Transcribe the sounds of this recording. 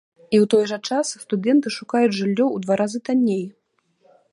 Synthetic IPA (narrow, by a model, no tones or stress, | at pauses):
iwt̪ɔjʐɐt͡ʂasst̪ud̪ɛnt̪ɨʂukajud͡zʲʐɨlʲːɔwd̪vaɾazɨt̪anʲːej